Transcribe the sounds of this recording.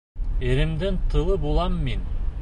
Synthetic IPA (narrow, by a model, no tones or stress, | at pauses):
eɾɪmd̪ɪnt̪ʰɯlˠɯbolˠɑmːin